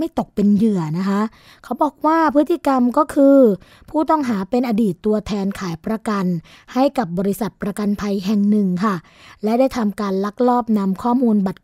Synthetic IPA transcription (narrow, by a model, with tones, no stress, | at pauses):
ma˥˩jt̪o˨˩k̚pe˧njɯ˨˩ɐna˦˥kʰa˦˥ʔ | kʰa˦˥wbɔː˨˩k̚waː˥˩pʰɯ˦˥t̪ʰːi˧˨˩ka˧mkɔː˥˩kʰɯː˧ | pʰuː˥˩t̪ɔ˥˩ŋɦaː˩˦pe˧nʔaː˧diː˨˩t̪ːu˧ɐt̪ʰɛː˧nkʰaː˩˦jpɾa˧ka˧n | ha˥˩jka˨˩p̚bɔː˧ɾi˦˥sa˨˩t̪̚pɾa˧ka˧npʰa˧jɦɛ˨˩ŋnɯ˨˩ŋkʰa˥˩ | lɛ˦˥daː˥˩jt̪ʰa˧mkaː˧nla˦˥k̚lɔː˥˩p̚na˧mkʰɔː˥˩muː˧nba˨˩t̪̚